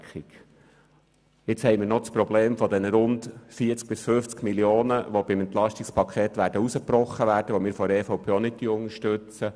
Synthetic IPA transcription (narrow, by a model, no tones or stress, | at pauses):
χik | ɪt͡shɛɪmɪːɾnɔspɾɔbleːmfɔd̪ɛnəɾʊndfiət͡sk̚b̥ɪsføft͡skmiljoːnəʋob̥ɪmɛnt̪lɑʃtikspʰɑkʰeːt̪ʋæːɾdəusəprɔχːəʋæːɾd̥əʋomɪːɾfɔɾɛːfɔwpʰeːonɪtːyʊŋəʃtøt͡sə